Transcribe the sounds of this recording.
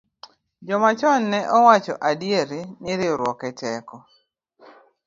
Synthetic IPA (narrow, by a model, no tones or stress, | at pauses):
d͡ʒɔmat͡ʃɔnːɛʔɔwat͡ʃɔ̰ʔadjeɾinɪɾɪɔɾwɔkɛtɛkɔ